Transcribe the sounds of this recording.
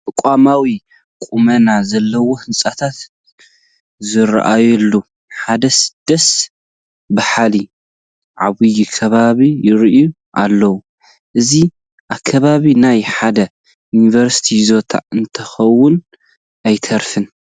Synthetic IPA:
t̪ʼɨkʼamawi | kʼumɐnazɐlːɐwohɨnsʼat̪ʰat̪ | zɨɾ̰ʔa̰jɛlːu | ħad̪ɐsɨ̥d̪̥ɐs | bɨħali | ʕa̰βɨjikʰɐβaβijɪɾʔu | ʔalːɐwu | ʔɨzi | ʔakʰːɐβaβinajħad̪ɐ | junivɐɾsi̥t̪ʰizo̞t̪ʰa̰ɨnt̪ʰɐxɐwːʊn | ʔajt̪ʰɐɾfɨn

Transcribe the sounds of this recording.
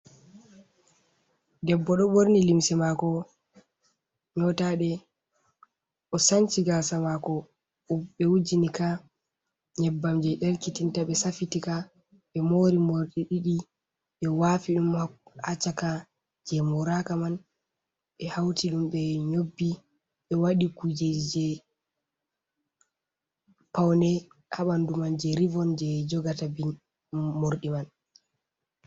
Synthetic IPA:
dɛbːɔɗɔboɾnilimsɛmakɔ | ɲɔtaɗɛ | ʔɔsant͡ʃiɡasamakɔ | ɓɛwud͡ʒinika | ɲɛbːamd͡ʒɛɗɛɾkitintaɓɛsafitika | ɓɛmoɾimoɾɗiɗiɗi | ɓɛwafiɗumhat͡ʃːaka | d͡ʒɛmɔɾakaman | ɓɛhawtiɗumɓɛɲobːi | ɓɛwaɗikud͡ʒɛd͡ʒɛ | pawnɛ | haɓandumand͡ʒɛɾivɔnd͡ʒɛd͡ʒɔɡatabi | moɾɗiman

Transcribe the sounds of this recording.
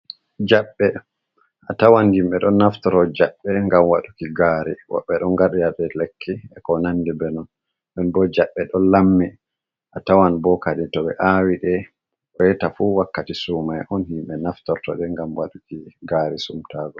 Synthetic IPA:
d͡ʒaɓːɛ | ʔatawanhimɓɛɗɔnːaftɔɾɔd͡ʒaɓːɛŋɡamwaɗukiɡaɾiwa̰ɓːɛɗɔnɡaɗɛjaɗɛlekʰːiɛkɔnandɛbɛnɔn | ɗɔnbɔd͡ʒaɓːɛɗɔlamːi | ʔatawanbɔkaɗitɔɓɛ̰ʔawiɗɛ | ʔjɛtafuwakːatisumajʔɔnhimɓɛnaftɔɾtɔ̰ɗɛŋɡamwa̰ɗukiɡaɾisumtaɡɔ

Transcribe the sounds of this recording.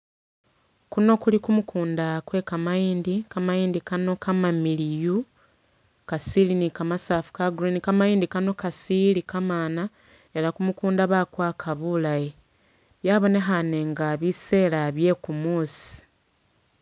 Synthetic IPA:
kuno̞kulikumukʰuːndakwe̞kamajiːndikamajiːndikano̞kamamiliju | kasilinikamasaːfu̥kaɡuɾinikamajiːndikano̞kasilikamaːna | e̞ɾakumukuːndaβakwakʰaβulaje | jaβo̞ne̞ɦane̞ŋɡaβise̞ːɾaβje̞kumuːsi̥

